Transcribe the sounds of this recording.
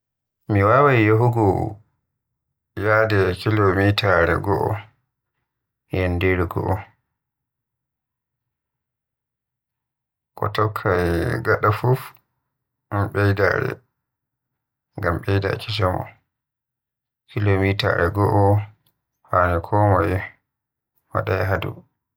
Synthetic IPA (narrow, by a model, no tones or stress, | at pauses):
miwawajjaɦuɡɔ | jaːdɛkilomitaɾɛ̰ɡɔʔɔ̰ | jɛndeɾiɡɔ̰ʔɔ | kɔ̰tɔkʰːajɡaɗafuf | amɓɛjda̰ɾɛ̰ | ŋɡamɓɛjda̰t͡ʃisɔmɔ̰ | kilomita̰ɾɛɡɔʔɔ | fanɛkʰɔmɔjɛ | wa̰ɗajɦadṵ